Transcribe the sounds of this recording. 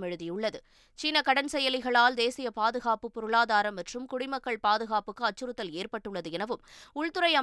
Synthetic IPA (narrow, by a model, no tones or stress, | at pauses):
mɛɻɯðɪjɯɭːɐðɯ | t͡ʃiːnɐkɐɽɐnsɛjɐlɪɣɐɭaːld̪eːsɪjɐpaːðɯɣaːpɯpːʊɾɯɭaːðaːɾɐmːɐʈrɯmkʊɽɪmɐkːɐɭpaːðɯɣaːpɯkːɯɐt͡ʃːɯɾɯt̪ːɐleːrpɐʈːɯɭːɐðɯɛnɐʋɯmʊɭt̪ɯɾɐjɐ